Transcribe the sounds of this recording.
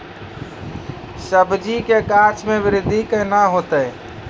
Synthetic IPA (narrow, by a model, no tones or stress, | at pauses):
səbd͡ʒikekat͡ʃmebɪɾɪd̪ʱikəɪnaɦot̪əj